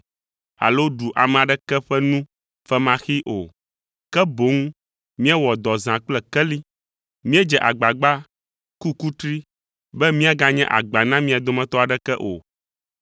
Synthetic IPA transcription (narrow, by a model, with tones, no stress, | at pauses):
a̰˨lo˦ɖu˨ʔa˨mɛ̃˨a˨ɖɛ˦kɛ˦ɸɛ˦nũ˦ | fɛ˦mã˦xi˦ʔo˨ | kɛ˦bo˨˦ŋ˦ | mĩ˦ɛ˦wɔ˨d̪ɔ˨zã˨k͡plɛ˨kɛ˦li˦ | mĩ˦ɛ˦d͡ʒɛ˨ʔa˨ɡ͡ba˨ɡ͡ba˦ | ku˦ku˦t̪ɾi˦ | bɛ˦mĩ˦a˨ɡa˦ɲɛ̰̃˦ʔa̰˨ɡ͡ba˨nã˦mĩ˦a˨d̪o˦mɛ̃˦t̪ɔ˦a˨ɖɛ˦kɛ˦ʔo̰˨